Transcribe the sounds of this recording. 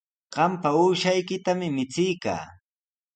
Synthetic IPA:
ɢ̥ɑmpauːʃajkɪt̪amɪmɪt͡sɪjka̰ː

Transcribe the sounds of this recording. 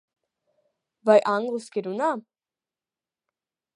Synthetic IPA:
vajʔaŋʁuskeduna

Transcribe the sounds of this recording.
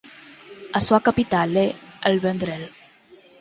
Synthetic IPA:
aswakapit̪alealβend̪ɾel

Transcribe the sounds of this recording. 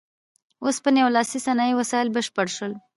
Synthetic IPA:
ospənjewlɑsisanɑiwasɑɪlbəʃpəɽʃəl

